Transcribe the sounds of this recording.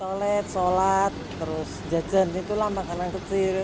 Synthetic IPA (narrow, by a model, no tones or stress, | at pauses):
solɛt̪̚solat̪ːəɾʊsd͡ʒḁd͡ʒa̤nit̪ulamakanaŋsət͡ʃi